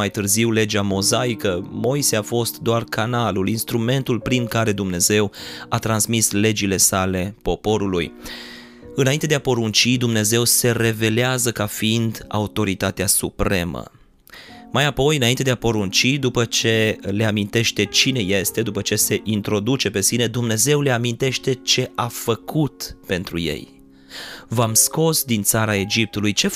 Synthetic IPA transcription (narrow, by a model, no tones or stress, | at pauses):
ajt̪ɨrziwle̞d͡ʒamo̞zaikəmo̞jseafo̞st̪d̪oarkanalulinst̪ɾume̞nt̪ulpɾinkaɾe̞d̪umne̞ze̞wat̪ɾansmisle̞d͡ʒile̞sale̞po̞po̞ɾuluj | ɨnaint̪ed̪eapo̞ɾunt͡ʃid̪umne̞ze̞wse̞ɾe̞ve̞leazəkafiind̪a̰ut̪o̞ɾit̪at̪easupɾe̞̰mə̰ | majapo̞jɨnaint̪e̞d̪eapo̞ɾunt͡ʃid̪upət͡ʃe̞leamint̪e̞ʃt̪e̞t͡ʃine̞je̞st̪e̞d̪upət͡ʃe̞se̞ʔint̪ɾo̞d̪ut͡ʃe̞pe̞sine̞d̪umne̞ze̞wle̞amint̪e̞ʃt̪e̞t͡ʃe̞ʔafəkʰut̪pe̞nt̪ɾuje̞̰j | vamsko̞sd̪int̪saɾae̞d͡ʒip̚t̪ulujt͡ʃe̞